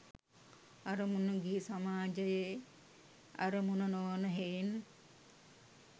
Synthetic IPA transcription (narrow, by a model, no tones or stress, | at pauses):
ɐɾəmunəɡiisamaːd͡ʒəje | ɐ̰ɾəmunənoʋnəɦein